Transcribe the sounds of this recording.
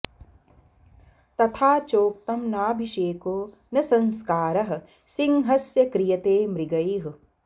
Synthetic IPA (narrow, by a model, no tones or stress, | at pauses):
t̪ɐt̪ʰaːt͡ʃoːk̚t̪ɐmnaːbʱiʃeːkoː | nɐsɐ̃nskaːɾɐɦɐ̆ | sɪŋɦɐsjɐkɾijɐt̪eːmɾiɡɐiɦ